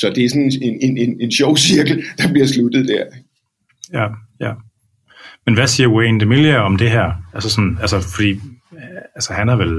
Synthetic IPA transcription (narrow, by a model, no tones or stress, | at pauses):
sɒ̽d̥e̝æɐsɒnenenene̝nɕɒʊ̰siɐɡ̥l̩d̥ɑ̈b̥liɐslud̥ð̩ˠd̥æɐ̰ | jæjæ | menʋæsiːɐwend̥emilɐɒ̽md̥e̝ɦæɐ̰ælsəsɒ̽nælsəfɒ̽d̥ḭː | ælsəhænhæʋel